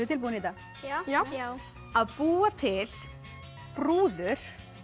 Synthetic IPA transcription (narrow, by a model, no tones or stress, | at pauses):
ʏt̪ʰɪlp̬uːniːt̪a | jjaːw | aðpuːat̪ʰɪl̥ | pɾuːðʏɾ̥